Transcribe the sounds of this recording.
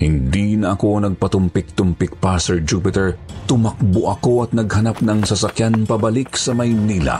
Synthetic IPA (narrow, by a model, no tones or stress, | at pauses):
hɪnd̪inɐʔɐko̞nɐɡ̚pɐt̪ʊmpɪk̚t̪ʊmpɪk̚pasɛɹd͡ʒupɪt̪ɛɹt̪ʊmɐk̚boʔɐko̞ʔɐt̪̚nɐɡhɐnap̚nɐŋsɐsɐkjanpɐbɐliksɐmɐjnila̰